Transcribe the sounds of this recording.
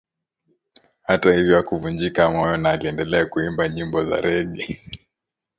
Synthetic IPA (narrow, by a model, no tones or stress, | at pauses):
hatahivjɔakuvund͡ʒikamɔjɔnaːliɛndɛlɛakuimbaɲimbɔza̰ɾɛɠɛ